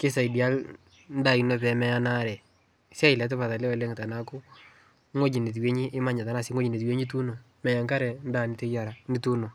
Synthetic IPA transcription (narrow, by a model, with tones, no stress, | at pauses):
kɪ˦sa˨i˨di˨a˦l | n̩˦da˦˨i˨no˦˨pɛ˨mɛ˦ja˦na˦ɾɛ˨ | sja˦i˨lɛ˨˦t̬e˦pa˨ta˨lɛ˦ɔ˨le˦ŋ˨ta˨na˦kʊ˦ | ŋo˦d͡ʒi˨ni˨t̬we˦ɲi˦ʔɪ˦ma˦ɲa˨ta˨˦na˨si˦ŋo˦d͡ʒi˨ni˨twe˦ɲi˦tu˦no˨ | mɛ˨ja˨ŋka˦ɾɛ˨n˦da˨ni˨te˦ja˨ɾa˨ni˦tu˦no˨